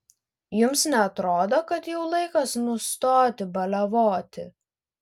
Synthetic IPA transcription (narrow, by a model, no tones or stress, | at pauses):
jʊmsnʲɛɐt̪ɾoːd̪oːkɐt̪jɛʊlˠɐɪkɐsnʊst̪oːt̪ʲɪbɐlʲɐʋoːt̪ʲɪ